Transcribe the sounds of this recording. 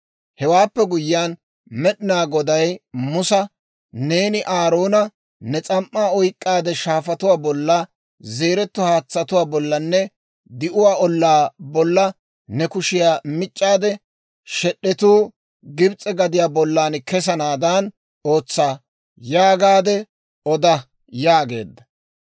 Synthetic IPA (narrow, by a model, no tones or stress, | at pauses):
hɛwaːpːɛɡʊjɪjaːn | mɛɗɪnaːɡɔd̪ɐjmʊsɐ | ne̞ːnɪʔaːɾo̞ːnɐ | nɛt͡sʼɐmːaːɔjkʼːaːd̪ɛʃaːfɐt̪ʊwaːbɔlːɐ | ze̞ːɾɛt̪ːʊhaːt͡sːɐt̪ʊwaːbɔlːɐnːɛ | d̪ɪʔʊwaːɔlːaːbɔlːɐ | nɛkʊʃɪjaːmɪt͡ʃʼːaːd̪ɛ | ʃɛɗːɛt̪uː | ɡɪbt͡sʼːɛɡɐd̪ɪjaːbɔlːaːnkɛs̬ɐnaːd̪ɐn | oːt͡sːaː | jaːɡaːd̪ɛ | ɔd̪ɐ | jaːɡe̞ːd̪ːɐ